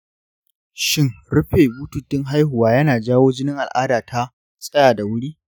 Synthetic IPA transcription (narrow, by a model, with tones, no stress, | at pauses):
ʃɪ˦ŋ | ɽʊ˦ɸeː˨buː˦tu˨tːɪ˦ŋɦa˦jhʊ˨waː˦jɐ˦naː˨d͡ʒaː˦woː˦d͡ʒɪ˦nɪ˦ŋʔa˨lʔaː˦daː˨tʰa˦ | sʼɐ˦jaː˨da˨wʊ˦ɽiː˦